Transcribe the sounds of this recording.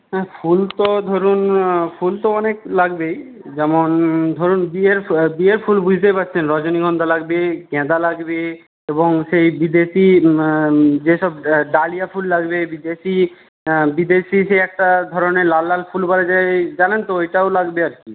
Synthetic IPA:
ɦɛfʰult̪od̪ʱoɾunfult̪oɔneklaɡbejd͡ʑɛmond̪ʱoɾunbieɾbieɾfʰulbud͡ʑʱt̪̬epatːt͡ɕʰenɾɔd͡ʑoniɡʱɔnd̪ʱalaɡbekɛ̃d̪alaɡbe | eboŋʃejbid̪eʃi | d͡ʑeʃɔb̚ɖalijafʰulːaɡbebid̪eʃi | bid̪eʃiʃejɛk̚ʈad̪ʱɔɾoneɾlalːalfʰulbaɾad͡ʑaed͡ʑalent̪oejʈaolaɡbeaɾki

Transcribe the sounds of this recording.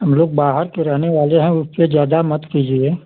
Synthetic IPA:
ɦɐmloːɡ̚baːɦəɾkeɾɛɦneʋaːleɦɛ̃ʊsped͡ʒjaːd̪amɐt̪kiːd͡ʒie

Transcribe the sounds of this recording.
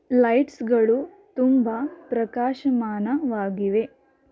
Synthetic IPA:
lɐjʈsɡɐɭu | t̪umbapɾɐkaːʃɐmaːnɐʋaːɡiʋe̞

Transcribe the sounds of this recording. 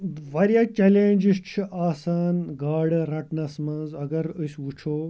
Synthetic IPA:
ʋɐɾjaːt͡ʃɐleːnʲd͡ʒist͡ʃʰiʔaːsaːnɡaːɽɨɾɐʈnɐsmɐnzɐɡɐɾəsʲʋut͡ʃʰoː

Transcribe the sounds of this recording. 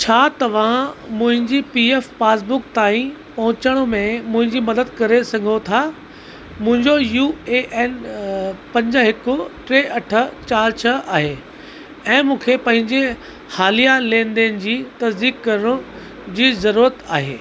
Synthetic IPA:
t͡ɕʰaːt̪ɐʋ̤ãmʊ̃ɦɪ̃ɲd͡ʑipiːeːfpaːs̬bʊkt̪aːĩpɐɦʊ̃t͡ɕəɽ̃ʊmẽmʊ̃ɦɪ̃ɲd͡ʑimɐd̪əd̪̚kɐɾesɐɡʱot̪ʰa | mʊ̃ɦɪ̃ɲd͡ʑojueːʔɛːn | pɐ̃ɲd͡ʑəɦɪkʊʈɾeːʔɐʈʰət͡ɕaːɾt͡ɕʰɐaːɦeː | ɛ̃ːmũːkʰepɐ̃ɦɪ̃ɲd͡ʑe | haːlijalẽːnd̪enɪ̆d͡ʑiːt̪ɐzd̪iːkkɐɾəɽ̃ʊ̃ | d͡ʑiːzɐɾuːɾət̪aːɦeː

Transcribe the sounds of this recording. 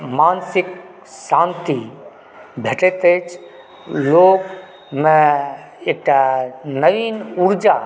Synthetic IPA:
maːnsɪk | sãːnt̪i | bʱeʈet̪eːt͡ʃ | loːk | mẽ | ɪk̚ʈanəʋiːnuɾd͡ʒa

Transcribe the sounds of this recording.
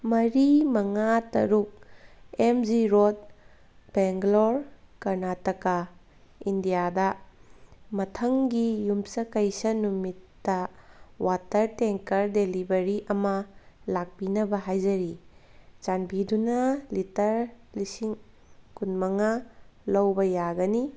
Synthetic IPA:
mɐɾimɐŋatɐ̰ɾuk̚emd͡ʒiɾot̚ | b̥eŋɡloɾkɐɾnatɐka | indijadɐ | mɐtʰɐŋɡijumsɐkɐjsɐnumitːɐwatɐɾteŋkɐɾdelibɐɾiʔɐmɐlak̚pinɐbɐɦajd͡ʒɐɾit͡ʃanbidunɐlitɐɾlisiŋ | kunmɐŋalɐwbɐjaɡɐni

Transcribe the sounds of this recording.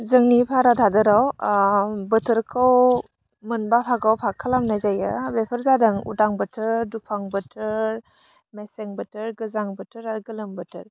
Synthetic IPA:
zɯŋnipʰaɾadʰadɯɾaw | bɯtʰɯɾkʰɯw | mɯnbapʰaɡawpʰakʰalamnajzajɯ̰bepʰəɾzadɯŋṵdaŋbɯtʰɯɾdupʰaŋbɯtʰɯɾ | meseŋbɯtʰɯɾɡɯzaŋbɯtʰɯɾaɾɡɯlɯmbətʰɯɾ

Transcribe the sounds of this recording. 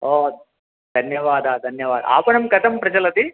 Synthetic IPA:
oː | d̪ʱɐnjɐʋaːd̪ɐd̪ʱɐnjɐʋaːd̪ɐ̰a̰ːpɐɳɐmɡɐt̪ɐmpɾɐd͡ʒɐlɐt̪i

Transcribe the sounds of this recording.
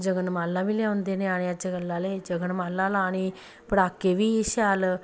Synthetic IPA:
d͡ʒəɡənmaːlːãːʋileãːʊ̃nd̪eːnẽːaːɽ̃eãːt͡ʃəɡəlːãːleːd͡ʒəɡənmaːlːãːlaːɽ̃iː | pəɽaːkeːʋiːʃaːl

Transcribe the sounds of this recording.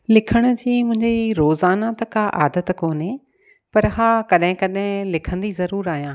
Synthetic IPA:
lɪkʰəɽ̃ʊ̆d͡ʑiːmʊ̃ɦɪ̃ɲd͡ʑiɾoːzaːnat̪ɐkaʔa̰ːd̪ət̪koːnɦe | pɐɾɦaːkɐɗɦɪ̃kɐɗɦɪ̃lɪkʰə̃n̆d̪izɐɾuːɾaːɦijãː

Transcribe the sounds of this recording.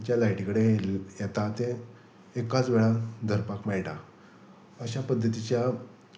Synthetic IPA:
t͡ɕjalajʈikəɽejɛt̪at̪e | ekat͡sʋeɭad̪ʱəɾpakmajʈa | əɕapəd̪ʱːət̪it͡ɕja

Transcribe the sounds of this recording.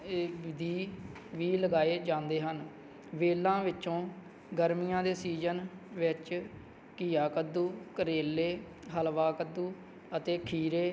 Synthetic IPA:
ɪd̪iː | ʋiːləɡaːeːd͡ʒãːnd̪eːɦən | ʋeːlːãːʋɪt͡ʃːt͡ʃõː | ɡəɾmijãːd̪eːsiːd͡ʒənʋɪt͡ʃ | kiːaːkəd̪ːuːkəɾeːlːeː | ɦəlʋaːkəd̪uː | ət̪eːkʰiːɾeː

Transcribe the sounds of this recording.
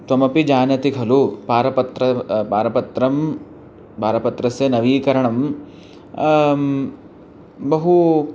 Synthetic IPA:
t̪ʋɐmɐpid͡ʒaːnɐt̪ikʰɐlupaːɾɐpɐt̪ɾɐpaːɾɐpɐt̪ɾɐm | paːɾɐpɐt̪ɾɐsjɐnɐʋiːkɐɾɐɳɐm | bɐɦu

